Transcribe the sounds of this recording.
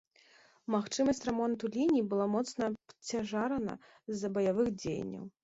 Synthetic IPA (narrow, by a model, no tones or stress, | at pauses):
maxt͡ʂɨmɐsʲt͡sʲrɛmɔnt̪ulʲinʲiːbɨlˠamɔt̪snɐpt͡sʲaʐaɾɐnɐ̰ | zːɐbɐjavɨxd͡zʲej̰nʲːɐ̰w